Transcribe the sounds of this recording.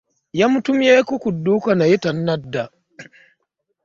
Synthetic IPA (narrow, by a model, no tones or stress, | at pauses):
jamʊtʊmjaːkukʊdːukanajitanːɐdːa